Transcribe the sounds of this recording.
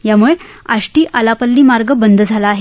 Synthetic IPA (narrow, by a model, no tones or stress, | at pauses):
jamuɭea̰ʂʈiːʔalapəlːiːmaɾɡəbənd̪ʱəd͡zʱalaːɦe